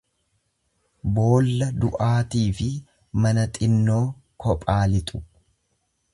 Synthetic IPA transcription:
bo̞ːlːɐd̪ʊʔaːt̪iːfɪ | mɐnɐt̪ʼɪnːo̞ːkʰɔpʼaːlɪt̪ʼʊ̥

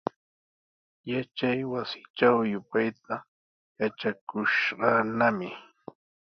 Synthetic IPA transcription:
jat͡ʃajwasɪ̥t͡ʃawjʊpajt̪a | jat͡ʃakʊʃɢɑnamɪ

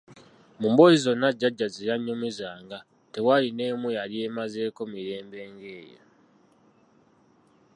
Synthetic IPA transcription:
mumbo̞jizo̞nːaɟːaɟːaziɾaɲːumizaːŋɡa | te̞waline̞ːmwealiemaze̞ːko̞miɾe̞ːmbe̞ːŋɡe̞ːjo̰

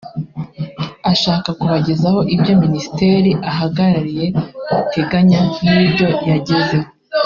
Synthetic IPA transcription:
aʃaːkakuβaɟe̞zaho̞ʔibɟo̞minisi̥te̞ɾiʔaɦaɡaɾaɾije̞teɡaɲaibɟo̞jaɟe̞ze̞

